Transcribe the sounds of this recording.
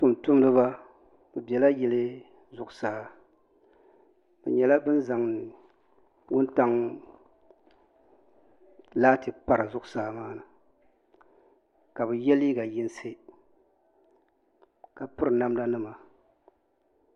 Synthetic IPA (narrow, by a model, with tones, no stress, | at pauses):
tʊ˦m˨tʊ˦m˦dɨ˦βa˦ | bɨ˨bɛ˨la˦jɛ˨lɨ˦ | zʊ˨ʔʊ˨saː˦ | bɨ̰˨ɲɛ˨la˦bɨ˦n˦za˨ŋnɨ˨ | wʊ˦nta˦ŋ | laː˦tɨ˨pa˨ɾɨ˨zʊ˦ʔʊ˨saː˦maː˦nɨ˨ | ka˨bɨ˨jɛ˦li˦ɡa˨jɪ˦n˦se˦ | ka˨pɨ˦ɾɨ˨na˦mda˦nɨ˦ma˨